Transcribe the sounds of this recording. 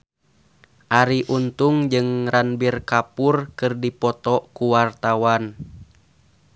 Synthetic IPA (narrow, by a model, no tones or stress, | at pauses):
ʔaɾiʔunt̪uŋd͡ʒɨŋranbirkapurkɨrdipɔt̪ɔkuwart̪awan